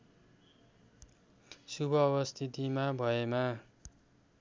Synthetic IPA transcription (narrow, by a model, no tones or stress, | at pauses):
subʱʌːbʌst̪ʰit̪imabʱʌema